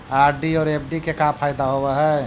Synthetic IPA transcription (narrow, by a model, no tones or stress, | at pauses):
aːɾɖiɔːɾep̚ʰɖikekãːpʰaːjd̪aɦoweɦɛ